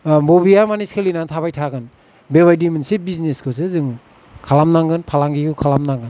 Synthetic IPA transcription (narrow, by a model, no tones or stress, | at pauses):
bobijamaniskʰɯlinantʰaβajtʰaɡɯn | beβajdimɯnsebizneskʰɯsɯzɯŋ | kʰalamnaŋɡɯnpʰalaŋɡiɡɯkʰalamnaŋɡɯn